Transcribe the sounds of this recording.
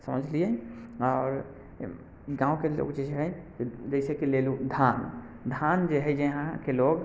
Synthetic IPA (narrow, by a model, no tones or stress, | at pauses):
sə̰məd͡ʒʱlijaɔːɾ | ɡãːũkelo̰ɡd͡ʒed͡ʒeɦəd͡ʒed͡ʒəɪsekelelud̪ʱan | d̪ʱand͡ʒeɦəjd͡ʒeɦãkeloɡ